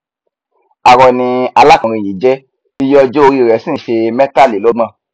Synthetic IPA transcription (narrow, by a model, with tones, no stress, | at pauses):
a˨ɾɔ˨nĩ˧a˧la˦kɔ̃˨ɾ̃ĩ˧˨ji˨d͡ʒɛ˦ | i˧jɔ˦˧d͡ʒo˦o˧ɾi˦˧˨ɾɛ˨sĩ˦˨ʃe˧mɛ̃˦ta˦˨li˨lo˦mã˧˨